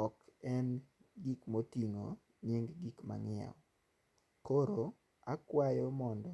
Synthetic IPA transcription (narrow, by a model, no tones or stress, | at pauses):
ɔkɛn | ɡikmotiŋo̰ | ɲeŋɡɡikma̰ŋɪa̰w | koɾo | akwajɔmɔndɔ